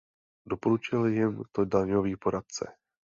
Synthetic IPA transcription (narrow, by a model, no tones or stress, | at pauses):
do̞poɾut͡ʃɪlɪjɪmt̪odaɲoviːpo̞ɾat̪̚t͡sɛ̰